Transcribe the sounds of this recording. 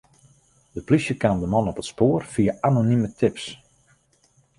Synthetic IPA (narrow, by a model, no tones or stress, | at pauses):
dəplisjəkaːmdəmɔnɔpətspoːrfiəʔanonimətʰɪps